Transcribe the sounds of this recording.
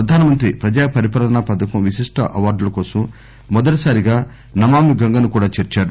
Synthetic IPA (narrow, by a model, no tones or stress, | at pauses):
ɾɐd̪ʱaːnɐmɐnt̪ɾipɾɐd͡ʒaːpɐɾipaːlɐnapɐd̪ɐkɐmʋisiʂʈɐ̰ʔɐʋaːɾɖulɐkɔːsɐmː | ɔd̪ɐʈɐsaːɾiɡaː | nɐmaːmiɡɐŋɡɐnukuːɽaːt͡ʃeːɾt͡ʃaːɽu